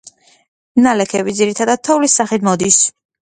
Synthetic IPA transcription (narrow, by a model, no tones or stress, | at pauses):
nalɛkʰɛbid̪ziɾit̪ʰad̪ad̪̚t̪ʰɔulisaχit̪mɔd̪is